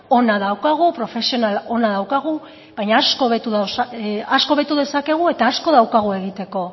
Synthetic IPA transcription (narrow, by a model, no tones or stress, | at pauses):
o̞naðawkaɣ̞upɾo̞fe̞sio̞nalo̞naðawkaɣ̞u | βajɲaːsko̞βet̪uðasaasko̞βe̞t̪uðe̞sake̞ɣ̞ue̞t̪aːsko̞ðawkaɣ̞ue̞ɣ̞it̪e̞ko̞